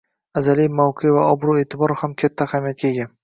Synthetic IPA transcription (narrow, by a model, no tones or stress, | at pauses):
azalijmawqʰevaɒbɾue̞ːt̪ʰɪbɒɾhamkʲʰat̪ʰːahamijat̪̚kʲae̞ɡʲan